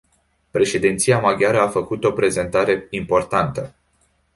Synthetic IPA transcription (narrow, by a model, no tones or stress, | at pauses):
pɾe̞ʃe̞d̪int̪sijamaɡʲaɾəafəkut̪o̞pɾe̞ze̞nt̪aɾe̞impo̞rt̪ant̪ə